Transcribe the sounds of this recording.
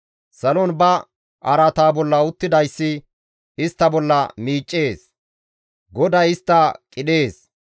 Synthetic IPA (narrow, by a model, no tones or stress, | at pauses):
sɐlɔnbɐ | ʔɐɾɐt̪aːbɔlːɐʊt̪ːɪd̪ɐjsːɪ | ɪst̪ːɐbɔlːɐmiːt͡ʃʼːe̞ːs | ɡɔd̪ɐjɪst̪ːɐkʼɪɗe̞ːs